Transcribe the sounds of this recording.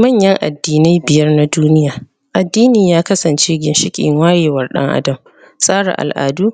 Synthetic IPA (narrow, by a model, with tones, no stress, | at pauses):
mɐ˦ɲjɐ˦ŋʔa̰˨dːiː˨na˦jbɪ˨jɐ˦rna˦duː˦nɪ˦jaː˨ | ʔa˨dːiː˦niː˨jaː˦kɐ˦sɐ˨nt͡ʃeː˦ɡʲɪ˨nʃɪ˦kʲʼɪ̰˨ŋwaː˦jeː˨wɐ˦rɗɐ̰˦ŋʔa̰˦dɐ˨m | sʼaː˦ɽa̰˨ʔa̰˨lʔa̰ː˨duː˦